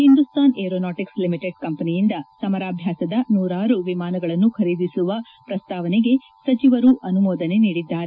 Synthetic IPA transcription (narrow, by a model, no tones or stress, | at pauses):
hind̪ust̪aːneːɾoːnaːʈikslimiʈeɖ̚kɐmpɐnijind̪ɐsɐmɐɾaːbʱjaːsɐd̪ɐnuːɾaːɾuʋimaːnɐɡɐɭɐnːukʰɐɾid̪isuʋɐ | pɾɐst̪aːʋɐneɡe̞ | sɐt͡ʃiʋɐɾuʔɐnumɔːd̪ɐne̞niːɽid̪ːaːɾe